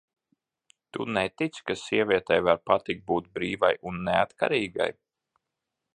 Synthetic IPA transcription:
t̪unɛt̪it̪skasiɛvʲiɛt̪ɛjvaɾpat̪ik̚t̪̚buːt̪̚bɾiːva̰junːɛat̪ka̰ɾiːɡa̰j

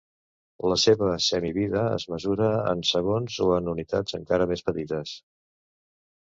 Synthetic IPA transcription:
ləseβəsɛmiβiðəə̰zməzuɾəə̰nsəɣ̞onzoənunit̪a̰d͡zəŋkaɾəmespət̪it̪əs

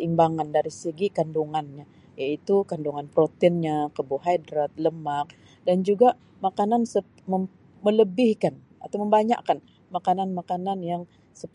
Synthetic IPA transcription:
imbaŋandaɾisəɡikanduŋanɲa | jait̪ukanduŋanpɾot̪ɪnɲakəboɦajdɾat̪̚ləmak̚ | dand͡ʒuɡaʔ | makanansə | mə | mələbɪhkan | a̰t̪awməmbaɲa̰ʔkan | makananmakananjaŋ | səp

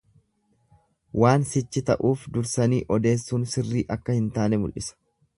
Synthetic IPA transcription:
waːnsɪt͡ʃːɪt̪ɐ̰ʔuːfd̪ʊɾsɐniːʔɔd̪e̞ːsːuːnsɪrːiːʔɐkːɐhɪnt̪aːnɛmʊ̰lʔɪ̰sɐ̥

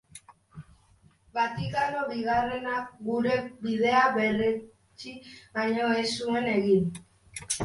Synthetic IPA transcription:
bat̪ikanoβiɣarenaɡuɾebiðeabere | t͡ʃiβaɲoesueneɣin

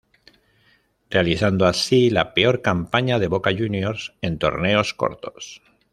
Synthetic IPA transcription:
re̞aliθand̪oasilape̞o̞ɾkampaɲaðe̞βo̞kaʝunjo̞ɾsẽ̞nt̪o̞̰ɾne̞o̞sko̰ɾt̪o̞̥s

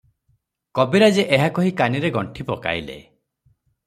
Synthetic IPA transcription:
kɔbiɾad͡ʒeʔeɦakɔɦikaniɾeɡɔɳʈʰipɔka̰jlḛ

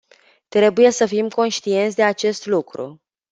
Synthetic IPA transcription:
t̪ɾe̞buje̞səfimko̞nʃt̪ie̞nt̪sʲd̪e̞at͡ʃe̞st̪lukɾṵ

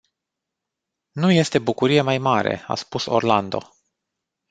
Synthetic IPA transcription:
nuje̞st̪e̞bukuɾije̞majmaɾe̞̰a̰spuso̞̰rland̪o̞̰

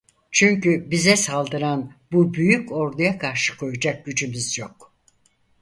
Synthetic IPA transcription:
t͡ʃʰyɲcybizɛsalˠd̪ɯɾanbubyjyco̞ɾd̪ajakʰaɾʃɯ̥kʰo̞jud͡ʒak̚ɟyd͡ʒymyzjok̚

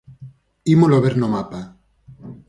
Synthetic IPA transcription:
imoloβeɾnomapa

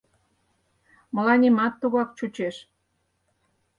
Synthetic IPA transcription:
mə̆lɑnʲimɑt̪ːuɣɑk̚t͡ɕut͡ɕeʃ

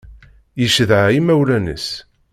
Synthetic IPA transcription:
jəʃəðʕaimæwlænə̰s

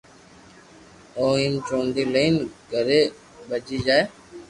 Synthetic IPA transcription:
oːĩːnt͡ʃõːnd̪iːleːnɡəɾeː | bəd͡ʒiːd͡ʒaːeː

